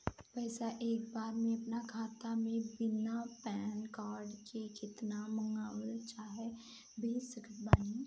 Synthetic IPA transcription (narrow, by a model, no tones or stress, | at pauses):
pɛːsaʔeːk̚baːɾmẽɐpnakʰaːt̪amẽbɪnapɛːnkaːɾɖkekʰɪt̪namə̃ŋɡaːwəlt͡ʃaːɦɛ | bʱesəkʰət̪̚baːni